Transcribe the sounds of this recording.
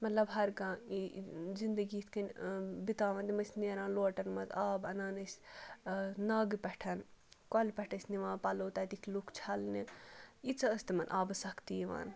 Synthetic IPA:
mɐt̪lɐbɦɐɾɡãːizind̪ɐɡiːt̪ʰkɐnʲbit̪aːʋɐ̃nt̪imɐsʲniːɾãːnloːʈɐnmɐzaːbɐnaːnɐsʲ | nɐɡpɛʈʰɐnkɔlʲpʲɛʈʰɐsʲniʋãːnpɐloːt̪ɐt̪ikʰlukʰt͡ʃʰɐlniit͡sɐɐst̪imɐnʔaːbɨsɐkt̪iːʋa̰ːn

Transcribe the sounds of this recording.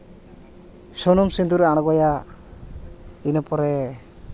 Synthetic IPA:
sɔnɔmsind̪uɾɛaɽ̃ɔɡɔja | inɔpɔɾɛ

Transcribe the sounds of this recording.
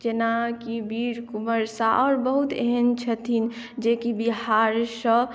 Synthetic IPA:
d͡ʒenakibiɾkuməɾsaʔɔːɾbəɦut̪eɦənt͡ʃʰət̪ʰin | d͡ʒekibiɦaɾsə̃

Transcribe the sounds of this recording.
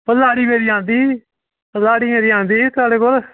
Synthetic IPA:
pəlaːɽiːmeːɾiːãːnd̪iː | pəlaːɽiːmeːɾiːãːnd̪iːt̪ʊaːɽeːkoːl

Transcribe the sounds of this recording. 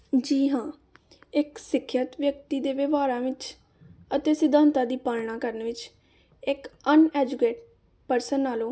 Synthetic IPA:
d͡ʒiːɦãː | ɪksɪkʰːjət̪ʋjəkt̪iːd̪eːʋeʋaːɾãːʋɪt͡ʃ | ət̪eːsɪd̪ʱãːnt̪aːd̪iːpaːlɳãːkəɾnːʋɪt͡ʃ | ɪkənɛːd͡ʒʊkeːʈ | pəɾsənːaːlõː

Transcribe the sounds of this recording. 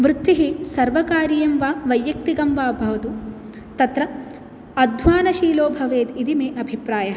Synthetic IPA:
ʋɾɪt̪ːiɦisɐɾʋɐkaːɾijɐmʋaːʋɐjːɐk̚t̪iɡɐmʋaːbʱɐʋɐt̪u | t̪ɐt̪ɾɐ | ɐd̪ʱʋaːnɐʃiːloːbʱɐʋeːd̪id̪imeːʔɐbʱipɾaːjɐ

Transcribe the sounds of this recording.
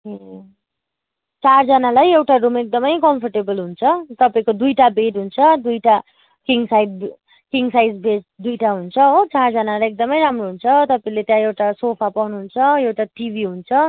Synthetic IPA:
ɦe | t͡sard͡zʌnalajewʈarumek̚d̪ʌmʌjkʌmpʰʌrʈebʌlɦunt͡sʰʌt̪ʌpaĩkod̪ujʈabeʈɦunt͡sʰʌd̪ujʈa | kiŋsajd̚ | kiŋsajd͡zbeʈd̪ujʈaɦunt͡sʰʌot͡sard͡zʌnalajek̚d̪ʌmʌjɾamroɦunt͡sʰʌt̪ʌpaĩlet̪jãewʈasopʰapawnuɦunt͡sʰʌewʈaʈibʱiɦunt͡sʰʌ

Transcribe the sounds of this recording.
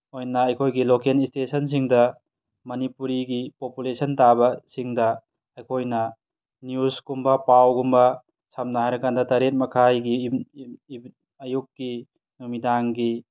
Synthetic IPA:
ojnɐɐjkʰojɡilokenistesɐns̬iŋdɐ | mɐnipuɾiɡipopulesɐntabɐsiŋdɐ | ɐjkʰojnɐ | njusɡ̥umbɐpawɡumbɐ | sam̚naajɾɐkʰandɐtɐɾet̚mɐkʰajɡi | ɐjukːi | numidaŋɡi

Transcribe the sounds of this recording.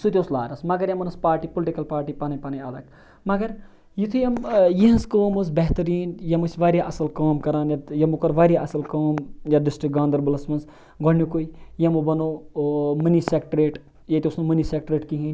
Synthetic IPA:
sut̪ʲosla̰ːɾɐsmɐɡɐɾjɐmɐnɐspaːɾʈipolʈikɐlpaːɾʈipaːnɐpɐnɐjaːd̪ɐk | mɐɡɐɾ | jit̪ʰujɐmjiɦɐ̃skoːmɐzbɛɦt̪ɐɾiːnjɐmɐsʲʋaːɾʲjaʔɐsɐlkaːmkɐɾaːnjajɐmukɐɾʋaːɾʲjaʔɐsɐlkoːmjaɖɪsʈɾik̚ɡãːnd̪ɐɾbɐlɐsmɐns | ɡɐɳjokoijɐmubɐno | mɐnisekʈɾeːʈ | jɐt̪iusnumɐnisek̚ʈɾeːʈkiɦĩnʲ

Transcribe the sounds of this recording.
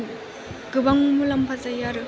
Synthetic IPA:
ɡɯbaŋmulɐmpʰazajaɾɯ

